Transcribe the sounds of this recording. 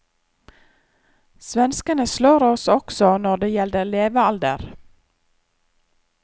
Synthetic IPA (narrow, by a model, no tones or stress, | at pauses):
sʋɛnskənəsloːɾɔsɔksɔnɔɖeːjɛld̪əleːʋəɑld̪ə̰ɾ